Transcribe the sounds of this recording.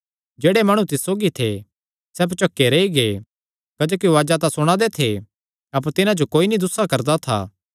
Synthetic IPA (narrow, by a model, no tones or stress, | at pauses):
d͡ʒeːɽemɐɽ̃ũt̪ɪsːoːɡit̪ʰe | sɛːbt͡ʃɐkːeɾɐiɡe | kɐd͡ʒoːkiʋaːd͡ʒat̪asʊɽ̃ãd̪et̪ʰe | ɐp̬əɾt̪ɪnãd͡ʒokoːinid̪ʊsakɐɾd̪at̪ʰa̰ː